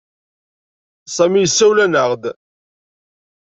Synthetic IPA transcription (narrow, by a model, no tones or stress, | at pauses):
sˤæmijəsːæwlænəʁd̪